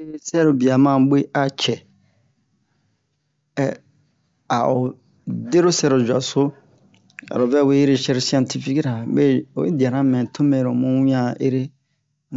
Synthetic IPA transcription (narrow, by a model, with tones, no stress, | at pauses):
e˦ɾe˦sɛ˦ɾo˨bi˨a˨mã˦˨˦be˦a˨t͡ʃʰɛ˨ | a˨ʔɔ˨ | de˦ɾo˦sɛ˦ɾo˨d͡ʒa̰˨sʊ˦ | a̰˨ɾɔ˨vɛ˦˨we˦i˦ɾe˦ʃɛ˦˨ɾsi˨ã˨ntʰi˦fi˦kɾa˨be˦ɔ˨ḛ˦di˨a˨ɾã˦mɛ̃˨tʰʊ̃˦mẽ˨ɾɔ˨mʊ̃˦wĩ˦ã˨e˦ɾe˦